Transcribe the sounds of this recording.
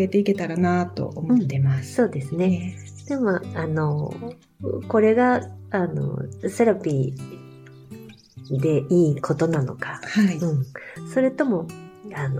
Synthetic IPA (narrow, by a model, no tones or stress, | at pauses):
et̪e̞ike̞t̪aɾanat̪o̞̰omõt̪ːemasɨ̥so̞ːd̪e̞sɨne̞ | d̪̥e̞moano̞ | ko̞ɾe̞ɡaano̰seɾopʲi | d̪e̞ʔiːkʰo̞t̪o̞nano̞̰kahaiɯ̟̃ɴso̞ɾet̪o̞mo̞ano